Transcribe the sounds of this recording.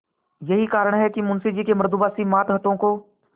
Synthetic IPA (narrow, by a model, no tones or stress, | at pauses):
jɐɦikaːɾəɽ̃ɦɛkimʊ̃nsid͡ʒiːkemɐɾd̪ubaːsimaːt̪ɦət̪õko